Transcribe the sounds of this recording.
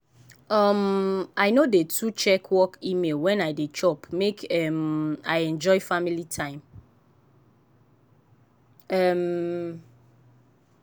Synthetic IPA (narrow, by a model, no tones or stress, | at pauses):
ɔmaɪnodetʰut͡ʃɛkʰwɔkimelwɛ̃najdet͡ʃɔpmekɛmaɪɛ̃nd͡ʒɔɪfamilitʰãɪ̃m | ɛm